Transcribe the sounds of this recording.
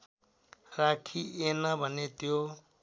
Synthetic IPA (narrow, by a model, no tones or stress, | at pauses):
rakʰienʌbʱʌnet̪jo